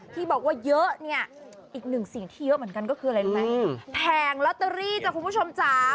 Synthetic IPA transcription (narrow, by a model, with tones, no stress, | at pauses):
t̪ʰiː˧ɓɔː˨˩k̚waː˧˩jəː˦˥ʔni˧˩ə | ʔiː˨˩k̚nɨ˨˩ŋsi˨˩ə˦ŋt̪ʰiː˧˩jə˦˥mi˨˩˦ənka˧nkɔː˧˦˥kʰːn˨˧ma˨˦t̪ʰɛː˨˩ŋlɔ˧˥t̪ːəː˧ɾiː˧˩t͡ɕa˧˩ku˧˨mu˧˥˩t͡ɕo˧mt͡ɕaː˧˩